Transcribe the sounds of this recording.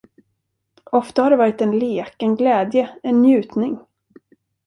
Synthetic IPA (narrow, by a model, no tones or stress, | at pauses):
ɔft̪ahaɖɛvɑːɾɪt̪ɛnleːkɛnɡlɛːd̪jəɛnːjʉ̟ːt̪nɪŋ